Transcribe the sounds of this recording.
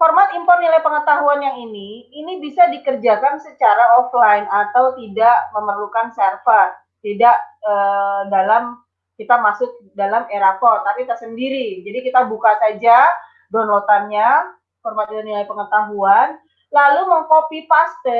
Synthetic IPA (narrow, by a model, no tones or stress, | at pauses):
hɔrmat̪̚impɔr̚nilajpəŋət̪aɦuanjaŋiniːnibisadikərd͡ʒakansət͡ʃaɾaʔɔflajnat̪awt̪idaʔməmərlukansɛrfas | t̪idaʔəːdalam | kit̪amasʊk̚dalameɾapɔrt̪apit̪asəndiɾid͡ʒadikit̪abukasad͡ʒa | dɔnlot̪anɲa | hɔrmat̪̚ianilajpəŋət̪aɦuan | laluməŋkopipast̪ə